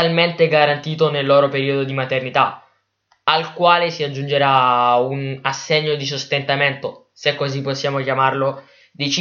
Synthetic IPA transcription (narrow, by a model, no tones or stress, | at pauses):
alment̪eɡaɾant̪iːt̪onelːɔːɾopeɾiːod̪od̪imat̪ernit̪a | alkwaːlesiad͡ʒːund͡ʒeɾaunasːeɲːod̪is̬ost̪ent̪ament̪o | sekːozipːosːjaːmokjamarlo | d̪et͡ʃ